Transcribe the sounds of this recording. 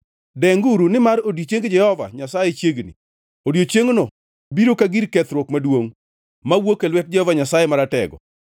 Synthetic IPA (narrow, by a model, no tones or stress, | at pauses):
dɛŋɡuɾunɪmaɾodjot͡ʃeŋɡd͡ʒɛhɔva̰ɲasajet͡ʃjeɡnḭ | odjot͡ʃeŋno | biɾokaɡiɾkɛt̪ɾwokmadwoŋ | mawokelwɛt̚d͡ʒɛhɔvaɲasajɛmaɾatɛ̰ɡɔ̰